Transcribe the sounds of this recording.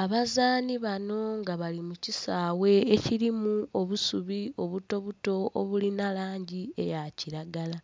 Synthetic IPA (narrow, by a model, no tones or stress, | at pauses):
aβazaːniβano̞ŋɡaβalimucisaːwe̞ːciɾimuo̞βusuβio̞βuto̞βuto̞ːβulinalaːɲɟie̞̰jaciɾaɡala